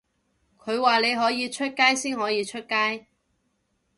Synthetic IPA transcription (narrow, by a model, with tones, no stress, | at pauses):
kʰɵ˨˧ɥwaː˨le˨˧jɦɔː˨˥jiː˨˧t͡ʃʰɵ˥t̚kaː˥jsiː˥nɦɔː˨˥jiː˨˧t͡ʃʰɵ˥t̚kaː˥j